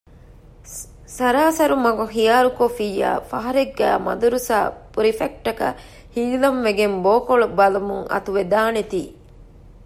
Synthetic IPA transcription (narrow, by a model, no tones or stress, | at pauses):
sɐɾaːsɐɾumɐɡuxijaːɾukofiːja̰ːfɐɦɐɾeɡːæ̰ːmɐ̰d̪uɾusa̰ːpuɾifek̚ʈːɐkɐ̰ | hiːlɐmʋeɡemboːkoɭubɐlɐmuŋɐ̰t̪uʋed̪aːnet̪iː